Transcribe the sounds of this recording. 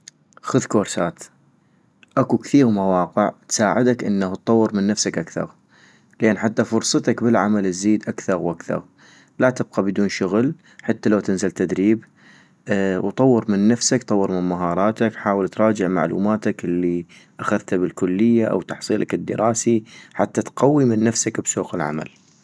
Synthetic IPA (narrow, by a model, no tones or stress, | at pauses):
xʊðkoːɾsaːt̪ | ʔakukθiːɣmawɑːqɪʕt̪saːʕɪd̪akʔɪ̰nːaht̪̚ˤːɑwːɨɾmɪnːafsakʔakθɑ̰ɾ | lʔeːnħat̪ːafʊɾˤsˤɑt̪akbɪlʕa̰malɪzːiːd̪ʔakθɑɾwʔakθɑ̰ɣ | lat̪ɪb̚qɑbɪd̪uːnʃʊɣl | ħat̪ːalawt̪ɪnzalt̪ad̪ɾiːb | wt̪ˤɑwːɨɾmɪnːafsakt̪ˤɑwːɨɾmɪnmaɦɑːɾˤɑːt̪akħaːwɪlt̪ɾˤɑːd͡ʒɪʕma̰ʕlṵːmaːt̪akʔɪlːi | ʔaxaðt̪abɪlkʊlːɪjːaʔa̰wt̪ɑħsˤiːlʔakɪd̪ːɪ̰ɾɑːsiħa̰t̪ːat̪qawːimɪnːafsakbsuːqɪlʕa̰ma̰l